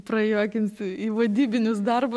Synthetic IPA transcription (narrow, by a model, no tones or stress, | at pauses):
prɐjoːkʲɪnʲsʲɪiʋɐd̪ʲiːbʲɪnʲʊs̬d̪ɐrbʊ